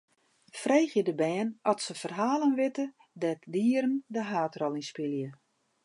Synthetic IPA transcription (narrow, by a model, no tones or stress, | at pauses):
freːxjədəbɛːnɔtsəfərɦaːlˠənʋɪtə | dɛtdiəɾəndəɦaːtrɔlˠinspɪljə